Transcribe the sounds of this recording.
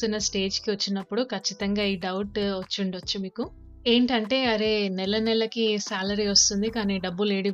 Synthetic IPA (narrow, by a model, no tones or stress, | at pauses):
unːɐsʈe̞ːd͡ʒkiʋɐt͡ʃːinɐpːuɽukʰɐt͡ʃːit̪ɐŋɡaːiːɖɐwʈʋɐt͡ʃːuɳɖiʋɐt͡ʃːumiːku | e̞ːɳʈɐɳʈe̞ːɐɾe̞ːnɛlːɐnɛlːɐkisaːlɐɾiʋɐst̪und̪ikaːniːɖɐbːule̞ːɽi